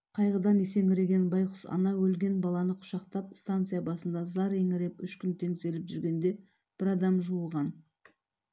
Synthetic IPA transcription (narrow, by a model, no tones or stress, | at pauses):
qʰɑjʁəd̪ɑnese̞ŋɪɾe̞ɡʲe̞nbɑjqʰʊ̥sɑ̰nɑwɵlɡʲe̞nbɑlˠɑnəqʰʊ̥ʃɑqt̪ɑp̚st̪ant̪sɨjabɑsənd̪ɑzɑɾe̞ŋɪɾe̞pʏʃkʲʏnt̪ʰe̞ŋse̞lɪpʒʏɾɡʲe̞nd̪e̞ | b̥ɪɾɑd̪ɑmʒuəlˠʁɑn